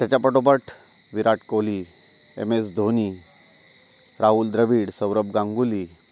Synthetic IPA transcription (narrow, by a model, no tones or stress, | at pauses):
t̪jat͡ɕapəʈop̬əʈʰ | ʋiɾaʈkoli | ḛmes̬d̪ʱoni | ɾaɦuːld̪ɾəʋiːɽsəʋɾəbɡãŋɡuli